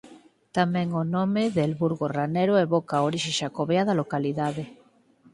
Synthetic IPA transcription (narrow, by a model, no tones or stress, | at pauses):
t̪amẽŋonomeðelβuɾɣoraneɾoeβokaoɾiʃiʃakoβeaðalokaliðaðe